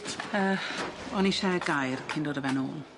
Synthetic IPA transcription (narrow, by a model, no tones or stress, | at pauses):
əːɔniʃɛɡajrkʰɪndoːdəvɛnṵːn